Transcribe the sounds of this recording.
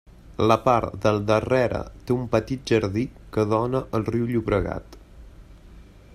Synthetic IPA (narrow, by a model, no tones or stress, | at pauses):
ləpaɾd̪əlˠd̪ərɛɾə̰t̪eumpət̪it̪̚ʒəɾðikəðɔnəʔəlˠriwʎuβɾəɣa̰t̪